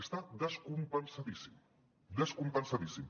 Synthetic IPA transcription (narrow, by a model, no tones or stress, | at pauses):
əst̪ad̪əskumpənsaðisim | d̪əskumpənsaðisim